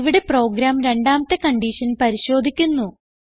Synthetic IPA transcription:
ʋiɽe̞pro̞ːɡɾaːmɾe̞ɳɖaːmɐt̪ːekɐɳɖiːʂɐnpɐɾiɕo̞ːd̪ʱikʲːunːu

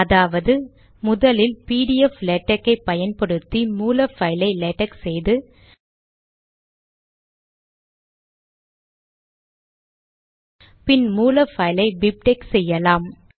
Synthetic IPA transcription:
ɐðaːʋɐðɯ | mʊðɐlɪlpiːɽɪɛflɛʈːɐkːɐɪpːɐjɐnpɐɽɯt̪ːimuːlɐfɐɪlɐɪlɛʈːɐksɛjðɯ | pɪnmuːlɐfɐɪlɐɪbɪp̚ʈeksɛjːɐlaːm

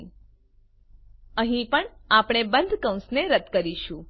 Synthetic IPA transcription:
əɦĩpəɳapɽ̃ebənd̪ʱkə̃w̃sneɾət̪kəɾiʃũ

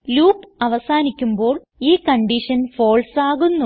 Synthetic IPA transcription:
luːpɐʋɐsaːnikʲːumbo̞ːɭ | iːkɐɳɖiʂɐnfo̞ːɭsaːɣunːu

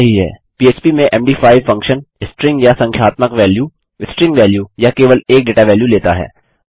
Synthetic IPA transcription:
ɐɦiɦɛ̰ːpiːeːspimẽʔɛːmɖiːfʰaːɪʋfɐ̃ŋkʃənɪsʈɾɪ̃ŋɡjasɐ̃ŋkʰjaːt̪məkʋɛːljuː | ɪsʈɾɪ̃ŋɡʋɛːljuːjakeːʋəleːk̚ɖeːʈaʋɛːljuleːt̪aɦɛ̰ː

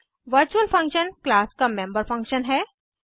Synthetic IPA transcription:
ʋɐɾt͡ʃuəlfʰɐ̃ŋkʃənklaːskamẽmbəɾfʰɐ̃ŋkʃənɦɛː

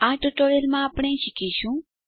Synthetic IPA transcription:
ãʈoʈoɾelmãapɽ̃eʃikiʃũ

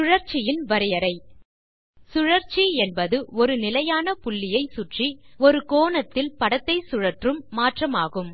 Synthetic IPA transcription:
ʊɻɐɾt͡ʃɪjɪnʋɐɾɪjɐɾɐɪ | sʊɻɐɾt͡ʃiɛnbɐðɯɔɾɯnɪlɐjaːnɐpʊɭːɪjɐɪsʊʈriɔɾɯkoːnɐt̪ːɪlpɐɽɐt̪ːɐɪsʊɻɐʈrɯmːaːʈrɐmaːɣɯm

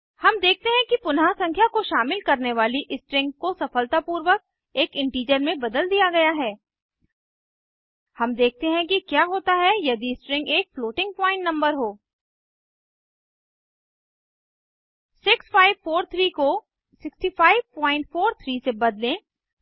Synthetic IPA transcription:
hɐmd̪eːk̚ʰt̪eɦɛ̃kipʊnɦasɐ̃ŋkʰjakoʃaːmɪlkɐɾneʋaːliʔɪsʈɾɪ̃ŋɡkosɐfəlt̪apuːɾʋək̚ | eːkɪ̃ɳʈiːd͡ʒəɾmẽbɐd̪əld̪ijaɡɐjaɦɛː | hɐmd̪eːk̚ʰt̪eɦɛ̃k̬ikjaːɦoːt̪aɦɛjɐd̪iɪsʈɾɪ̃ŋɡeːkfloːʈɪ̃ŋɡ̚pɔ̃ːɪ̃ɳʈnɐ̃mbəɾɦoː | sɪksfaːɪʋfoːɾt̪ʰɾiːko | sɪksʈifaːɪʋpɔ̃ːɪ̃ɳʈfoːɾt̪ʰɾiːsebɐd̪lẽ

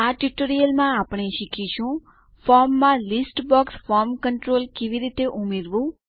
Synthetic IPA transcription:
aʈiʈoɾijəlmãapɳ̃eʃikʰiʃũ | fɔɾmːãlisʈbɔksfɔɾmkəɳʈɾolkeʋiɾit̪eʔumeɾʋũ

